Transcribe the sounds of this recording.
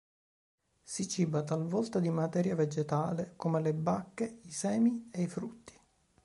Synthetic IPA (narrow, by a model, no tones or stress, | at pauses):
sit͡ʃibat̪alvɔlt̪ad̪imat̪ɛːɾjaved͡ʒet̪aːlekomelebakːeisɛːmieifɾut̪ːi̥